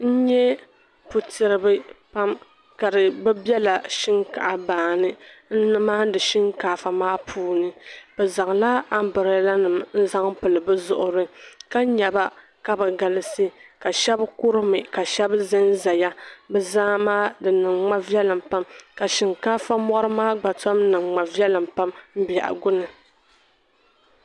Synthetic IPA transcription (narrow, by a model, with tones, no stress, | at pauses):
n̩˦ɲɛ˦ | pu˨tɨ˨ɾɨ˨bɨ˦pa˦m | ka˨dɨ˨bɛ˦bjɛ˦la˨ʃɪ˦ŋka˨ʔa˨baː˨nɨ˦n̩˦nɨ˦maː˦dɨ˨ʃi˦ŋkaː˨fa˨maː˦pʰuː˦nɨ˨b̥ɛ˨za˨ŋla˦a˦m˦bɨ˨ɾɨ˨˦la˦nɨ˨mn̩˦za˦ŋ˦pɨ˨lɨ˨bɨ˦zʊ˨ʔʊ˨ɾɨ˦ka˦ɲɛ˨ba˦ | ka˦bɛ˨ɡa˨lɨ˦sɨ˦ka˨ʃɛ˦bkʊ˦ɾɨ˦mɨ˨ka˨ʃɛ˦bzɨ˦n˦za˨ja˦bɛ˨zaː˦maː˦dɨ˨nɨ˨ŋŋ͡ma˦vi˦ɛ˦lɨ˨mpa˦mka˨ʃɪ˨ŋkaː˦fa˦mɔ˦ɾɨ˦maː˦ɡ͡ba˨tɔ˦m˦nɨ˨ŋŋ͡ma˨vi˦ɛ˦lɨ˨mpa˦mm̩˦bɛ̰˨ʔa̰˨ɡʊ˦nɨ˨